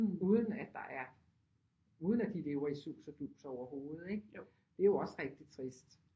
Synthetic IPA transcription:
uːð̞ˠən̩æd̥ɑ̈ʔæɐ | uːð̞ˠnæd̥ile̝ːʊɐisṵːsɐd̥uːsɒʊ̰ɐho̝ːð̩ˠeɡ̥ | d̥e̝æjo̝ɒ̽sʁɛɡ̥̚d̥it͡sʰʁisd̥

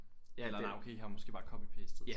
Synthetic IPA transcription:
jælɐnaɪʔokʰe̝̰ːhɑmɒ̽sɡ̥e̝̰b̥ɑ̈kʰɒ̽b̥ipʰesd̥ðˠ

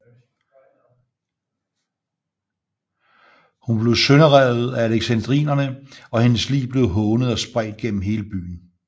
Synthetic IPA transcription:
hunb̥le̝ʊsønəʁɛð̞̩ˠææleɡ̥sænd̥ʁḭːnɐnəɒ̽henəslḭːb̥le̝ʊɦɔːnəð̞̩ˠɒ̽sb̥ʁaɪ̰d̥̚ɡ̥en̰m̩ɦe̝ːləb̥y̰ːn̩

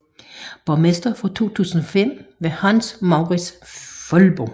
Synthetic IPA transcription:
b̥ɒmesd̥ɐfɒt͡sʰo̝̰ːt͡sʰṵːsən̩ɒfem̰ʋe̝hɑnsmɑ̈ʊʁi̥sfɔlb̥o

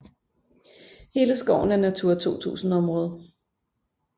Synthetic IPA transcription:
he̝ːləsɡ̥ɒʊn̩æɐnæt͡sʰuɐ̰t͡sʰo̝̰ːt͡sʰṵːsn̩ɒ̽mʁɔ̽ːð̞ˠɐ

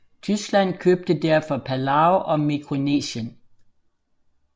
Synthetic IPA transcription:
t͡sʰysɡ̥læn̰kʰøːb̥̚d̥əd̥æɐ̰fɒ̽pʰælɑoʔɒ̽mikʰʁo̝nḛːɕən

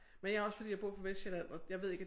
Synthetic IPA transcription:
menjɑ̈ɐɒ̽sfɒd̥ḭjb̥ʁo̝̰ɐ̰fɒʋesd̥jelænɒ̽jɑɪʋeðˠe̝ɡ̥æ̥

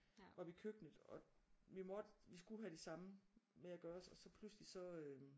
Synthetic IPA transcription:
ʋɑ̈ʋikʰøɡ̥nəð̩ˠɒ̽ʋimɒd̥ʋisɡ̥uɦæɾ̥e̝sɑ̈məmeæɡ̥ɶːɐɒsɒ̽sɒ̽pʰluslisɒ̽ø

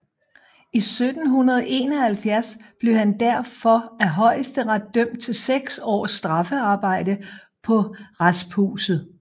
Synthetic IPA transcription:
isød̥n̩ɦunɐðˠʔe̝̰ːnɒ̽hælfjæɐsb̥le̝ʊhænd̥æɐ̰fɒ̽æɦɒ̽ɪ̰əsd̥əʁad̥̚d̥øm̰d̥̚t͡sʰe̝lseɡ̥sɒ̰ːsːd̥ʁɑ̈fəɑ̈ːb̥ɑ̈ɪ̰d̥ə | pʰɒ̽ʁasbʰṵːsð̩ˠ

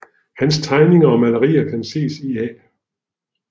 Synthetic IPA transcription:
hænst͡sʰɑ̈ɪne̝ŋɐɒ̽mælɐʁḭːɐkʰænse̝̰ːsiɛ̰ː

